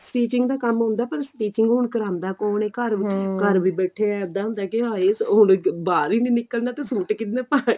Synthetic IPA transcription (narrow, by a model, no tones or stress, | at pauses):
sʈiːt͡ʃɪŋɡd̪aːkəmɦʊ̃ːnd̪aːpəɾsʈiːt͡ʃɪŋɡɦʊɳkəɾãːnd̪aːkoːneːkəɾkəɾʋiːbɛːʈʰeːɛd̪aːɦʊ̃nd̪aːkɪaːeːsʊnbaːɾiːnĩːnɪkːəlnaːt̪eːsuːʈkɪt̪nẽːpaːe